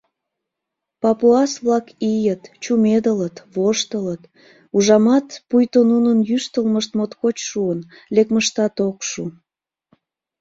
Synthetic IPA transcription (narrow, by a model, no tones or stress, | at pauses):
pɑpuɑsβlɑkijət̪t͡ɕumed̪ələt̪βoʃt̪ələt̪ | uʒɑmɑt̪pujt̪onunənjyʃt̪əlməʃt̪mot̪kot͡ɕʃuənlekməʃt̪ɑt̪okʃu